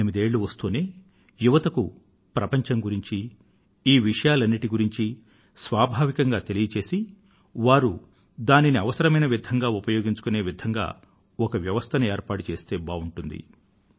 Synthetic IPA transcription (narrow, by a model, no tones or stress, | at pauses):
imid̪e̞ːɭːuʋɐst̪uːneː | juʋɐt̪ɐku | pɾɐpɐɲt͡ʃɐŋɡuɾiɲt͡ʃi | iːʋiʂɐjaːlɐnːiʈiɡuɾiɲt͡ʃi | sʋaːbʱaːʋikɐŋɡaːt̪e̞lijɐt͡ʃe̞ːsi | ʋaːɾu | d̪aːniniɐʋɐsɐɾɐmɐjnɐʋid̪ʱɐŋɡaːupɐjo̞ːɡiɲt͡ʃu̥kune̞ːʋid̪ʱɐŋɡa̰ː | ɔkɐʋjɐʋɐst̪ʰɐnɐeːɾpaːʈut͡ʃe̞ːst̪e̞ːbaːuɳʈund̪ḭ